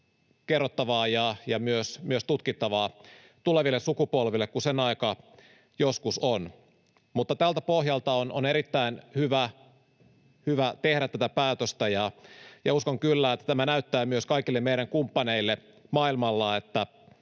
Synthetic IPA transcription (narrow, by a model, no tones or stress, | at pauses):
kerːot̪ːɑʋɑːjɑjɑmyøsmyøst̪ut̪kit̪ːɑʋɑː | t̪uleʋilːesukupolʋilːekkusenɑikɑ | joskuson | mut̪ːɑt̪ælt̪æpohjɑlt̪ɑononeɾit̪ːæinhyʋæ | hyʋæt̪ehɾæt̪ːæt̪æpæːt̪øst̪æjɑjɑuskoŋkylːæːet̪ːæ̥t̪æmænæyt̪ːæːmyøskɑikilːemmeiɾæŋkumpːɑneilːe | mɑːilmɑlːɑet̪ːæ